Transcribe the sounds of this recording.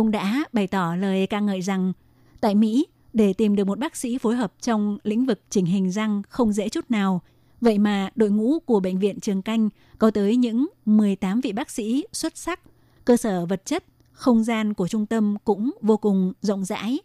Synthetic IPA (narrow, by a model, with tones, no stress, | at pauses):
ʔə˧wŋ͡mɗa̰ː˧˥ɓa˨˩jt̪ɔ˧˩ləː˨˩jkaː˧ŋəː˧˨jza˨˩ŋ | t̪a̰ː˧˨jmḭ˧˥ | ɗe˧˩t̪i˨˩mɗɨ˨˩əkmo˨˩t̚ɓaː˦˥k̚sḭ˧˥fo˨˦jɦəː˨˩p̚t͡ɕɔ˧wŋ͡mlḭ̈˧˥ŋ̟vɨ˨˩k̚t͡ɕï˧˩ŋ̟ɦï˨˩ŋ̟za˧ŋxə˧wŋ͡mzḛ˧˥t͡ɕu˦˥t̚naː˨˩w | və̰˧˨jmaː˨˩ɗo̰˧˨jŋṵ˧˥ku˧˩əɓə̰˧˨jŋ̟vḭ˧˨ənt͡ɕɨ˨˩əŋka˧jŋ̟ | kɔ˨˦t̪əː˨˦jɲɨ̰˧˥ŋmɨ˨˩əjt̪aː˨˦mvḭ˧˨ɓaː˦˥k̚sḭ˧˥swə˦˥t̚sa˦˥k̚ | kəː˧səː˧˩və˨˩t̚t͡ɕə˦˥t̚ | xə˧wŋ͡mzaː˧nku˧˩ət͡ɕʊ˧ŋ͡mt̪ə˧mkʊ̰˧˥ŋ͡mvo˧kʊ˨˩ŋ͡mzə̰˧˥wŋ͡mza̰ː˧˥j